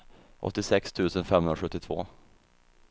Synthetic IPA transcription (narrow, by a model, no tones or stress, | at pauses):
ʔɔ̰t̪ːɪsɛkst̪ʰʉ̟ːsənfɛmhɵnɾaɧɵt̪ːɪt̪ʰv̥o̰ː